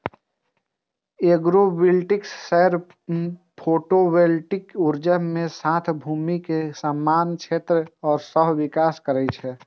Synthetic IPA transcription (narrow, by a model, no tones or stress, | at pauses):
eɡɾobɪlʈɪksːɛɾ | pʰoːʈobelʈɪkʊɾd͡ʒəmẽsãːt̪ʰbʱuːmikesəmːaːnkt͡ʃʰeːt̪ɾəɔːɾsəɦʋɪkaːskəɾɛt͡ʃʰɛː